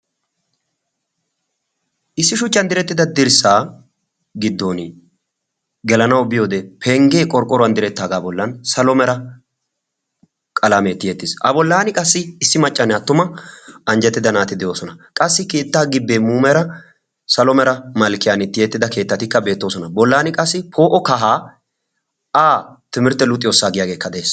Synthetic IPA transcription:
ʔɪsːɪʃʊt͡ʃʼːɐnd̪ɪɾɛt̪ːɪd̪ɐd̪ɪɾsaː | ɡɪd̪ːo̞ːnɪ | ɡɛlɐnɐwbɪjo̞ːd̪ɛpʰɛŋɡeːkʼɔɾkʼːɔɾɔɐnd̪ɪɾɛt̪ːaːɡaːbɔlːɐnsɐlɔmɛɾɐ | kʼɐlameːt̪ːɪjɛt̪ːɪsɐ̰bɔlːaːnɪkʼɐsːɪːsːɪmɐt͡ʃʼːɐnɛɐt̪ːʊmɐɐnd͡ʒɛt̪ːɪd̪ɐnaːt̪ɪd̪ɛjo̞ːsɔnɐkʼɐsːɪkeːt̪ːaːɡɪbːeːmuːmɛɾɐ | sɐlɔmɛɾɐmɐlkɪjaːnɪt̪ːɪjɛt̪ːɪd̪ɐke̞ːt̪ːɐt̪ɪkːɐbe̞ːt̪ːo̞ːsɔnɐbɔlːaːnɪkʼɐsːɪpʰo̞ːʔɔkɐɦaː | aːt̪ɪmɪɾt̪ːɛlʊt̪ʼːɪjo̞ːsːaːɡɪjaːɡe̞ːkːɐd̪ɛeːs

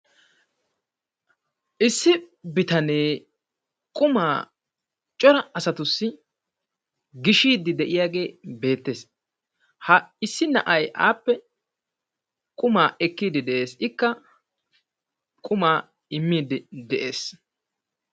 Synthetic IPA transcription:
ʔɪsːɪbɪt̪ɐneː | kʼʊmaː | t͡ʃʼɔɾɐɐsɐt̪ʊsːɪ | ɡɪʃiːd̪ɪd̪ɛʔɪjaːɡe̞ːbe̞ːt̪ːe̞s | hɐɪsːɪnɐ̰ʔɐjʔa̰ːpːɛ | kʼʊmaːʔɛkːiːd̪ɪd̪ɛʔe̞ːsɪkːɐ | kʼʊmaː | ɪmːiːd̪ɪd̪ɛʔe̞ːs

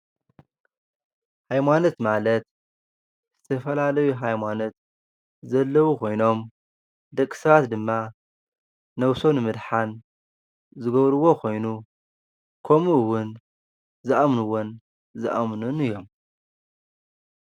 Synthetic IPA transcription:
hajmanot̪malɐt̪ | zɨt̪ʰɐfɐlalɐjuɦajmano̞t̪̚ | zɐlːɐwukʰo̞jno̞m | d̪ɐkʼːsɐβat̪d̪ɨmːa | nɐwsonɨmɨd̪ħan | zɨɡɐβɾɨwo̞kʰo̞jnu | kʰɐmuwʊn | zɨʔamnuwʊn | zɨʔamnunɨjːo̞m

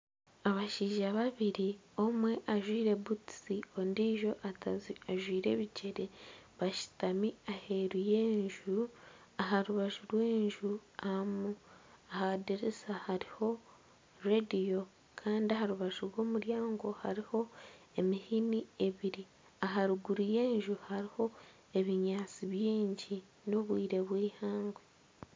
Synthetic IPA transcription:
aβaʃiːʒaβaβiɾi | o̞mwe̞ʔaʒwiːɾe̞butsio̞ndiːʒo̞ʔatzaʒwiːɾe̞̰ːβice̞ɾe̞βaʃi̥tamiahe̞ɾuje̞ːɲʒu | aɦaɾuβaʒuɾwe̞ːɲʒuamuahadeɾesahaɾiho̞ | redijo̞ | kʰaːndiaɦaɾuβaʒuɾwo̞ːmuɾjaːŋɡo̞haɾiho̞ | e̞mihinie̞βiɾi | aɦaɾuɡuɾije̞ːɲʒuhaɾiho̞ | e̞βiɲaːt͡siβjiːɲɟi | no̞βwiːɾe̞βwiːhaːŋɡwe

